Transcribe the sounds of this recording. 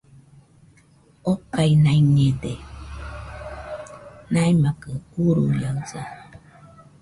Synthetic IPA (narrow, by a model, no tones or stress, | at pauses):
okajnaiɲede | najmakəuɾṵjəzə̰